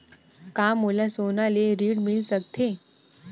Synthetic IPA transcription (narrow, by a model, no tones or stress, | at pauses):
kamulasonaleɾiːɽmilsək̚t̪ʰe